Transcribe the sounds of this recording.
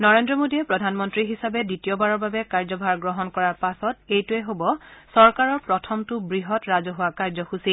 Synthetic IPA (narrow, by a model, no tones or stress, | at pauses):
nɔɹendɹɔmodiɛpɹɔdʱanmɔntɹiɦisabɛditiɔbaɹɔɹbabɛkaɹzɔbʱaɹɡɹɔɦɔnkɔɹaɹpasɔtejtʊɛɦobɔsɔɹkaɹɔɹpɹɔtʰɔmtʊbɹiɦɔtɹazɔɦʊwakaɹzɔxusi